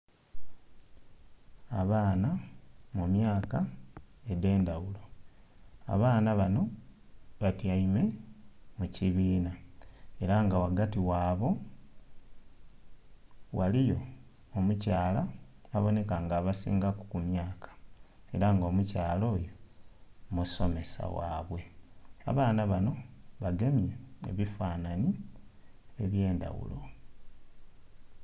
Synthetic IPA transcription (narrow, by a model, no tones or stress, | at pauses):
aβaːnamumjaːkaede̞ːndawulo̞ | a̰βaːnaβano̞ | βatjaime̞muciβiːnae̞ɾaŋɡawaɡatiwaːβo̞ | walijo̞ | omucaːlaːβo̞ne̞kaŋɡaβasḭːŋɡaku̥kumjaːkʰḁe̞ɾaŋɡo̞ːmucaːlo̞ːjo | muso̞me̞sa̰wa̰ːβwe̞a̰βaːnaβano̞βaɡe̞mjeḛβifaːnani | e̞βje̞ːnda̰wṵlo̞